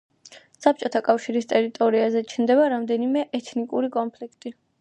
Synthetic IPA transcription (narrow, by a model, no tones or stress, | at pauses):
sap̚ʰt͡ʃʼɔt̪ʰakʼafʃiɾist̪ʼɛɾit̪ʼɔɾiazɛt͡ʃʰnd̪ɛβaɾamd̪ɛnimɛʔɛt̪ʰnikʼuɾikʼɔnpʰlikʰt̪ʼi